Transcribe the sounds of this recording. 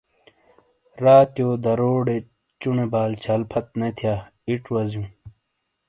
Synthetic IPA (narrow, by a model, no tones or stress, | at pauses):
ɾaːt̪joːd̪ɐɾoːɖe | t͡ɕunebaːlt͡ɕʰɐlpʰɐt̪̚net̪ʰjaːiʈwɐzjũ